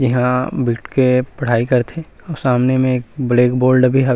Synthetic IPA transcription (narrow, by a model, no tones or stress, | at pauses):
d͡ʒɪɦãbiːʈkepɐɽ̤aːikɐɾt̪ʰe | ɔːɾsaːmnemẽeːk̚bleːkboːlɖbʱiɦə